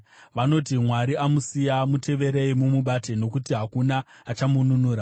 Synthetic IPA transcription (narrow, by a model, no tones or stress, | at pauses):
ʋano̞t̬imwaɾiamusijamutʰe̞ʋe̞ɾeimumuɓate̞no̞kutiɦakunaː | t͡ʃamununuːɾa